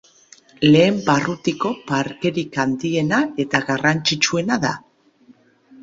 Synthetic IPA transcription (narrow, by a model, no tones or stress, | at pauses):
le̞ːmbarut̪iko̞paɾke̞ɾikand̪ie̞nae̞t̪aɣarant͡ʃit͡ʃue̞naða